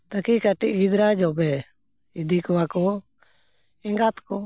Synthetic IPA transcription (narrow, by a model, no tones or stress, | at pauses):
t̪əkikəʈiɡid̪ɾaːd͡ʒɔbɛ | ɪd̪ikʋako | ɪŋɡat̪ko